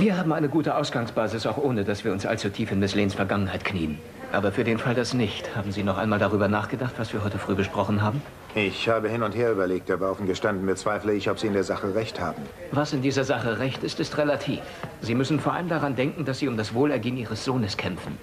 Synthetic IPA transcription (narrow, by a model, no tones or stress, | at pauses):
viːɐɦaːbm̩ʔaɪnəɡuːtəʔaʊsɡ̥aŋsb̥aːzɪsaʊxʔoːnədasv̥iːɐʊnsʔa̰lt͡sutʰiːfɪnmʊsleːnsfɛɐɡaŋənhaɪtkʰniːən | ʔaːbɐfyːɐɾeːnfaldasnɪçthaːbm̩ziːnɔχʔaɪnmaːldaʁ̞yːbɐnaːχɡ̥ədaχtv̥asv̥iːɐɦɔʏtəfʁ̥yːɡəʃpʁ̥ɔχn̩ɦaːbm̩ | ʔɪçhaːbəhɪnʊntheːɐyːbɐleːk̚td̥aːbaʔʊfn̩ɡəʃtandn̩bət͡sv̥aɪfləɪçɔpz̥iːɪndeːɐzaχəʁɛçtha̰ːbm̩ | vasɪndiːzɐzaχəʁɛçtɪstɪstʁelatʰḭːfz̥iːmʏsn̩foːɐʔa̰ləmdaʁandɛŋkŋ̩d̥asz̥iːʊmdasv̥oːlɛɐɡeːənʔiːʁ̞əsz̥oːnəskʰɛmfn̩